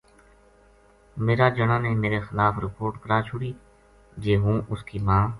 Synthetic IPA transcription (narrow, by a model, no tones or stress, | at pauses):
meːɾaːd͡ʒəɳãːnẽːmeːɾeːxɪlaːpɾɪpoːɾʈkəɾaːt͡ʃʰʊɽiː | d͡ʒeːɦũːʔʊskiːmãː